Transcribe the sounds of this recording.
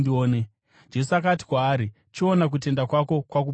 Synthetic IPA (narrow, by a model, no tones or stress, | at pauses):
dioːne | d͡ʒe̞suak̬ati̥kwaːɾi | t͡ʃionak̬ut̬e̞ndakwako̞kwaku